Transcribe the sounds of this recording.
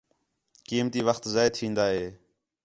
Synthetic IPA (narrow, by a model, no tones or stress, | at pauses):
kiːmt̪iːʋəxt̪zaːɪt̪ʰĩːnd̪aːɦeː